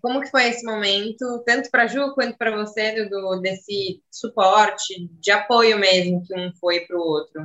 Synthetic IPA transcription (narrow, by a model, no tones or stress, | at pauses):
kõmʊkɪ̥fojesɪmomẽnt̪ʊt̪ɐ̃nt̪ʊ̥pɾɐʒukwɐ̃nt̪ʊpɾɐvosed̪ʊd̪ʊd̪esɪsupɔɾt͡ʃɪd͡ʒɪapojʊmezmʊkɪũfojpɾʊowt̪ɾʊ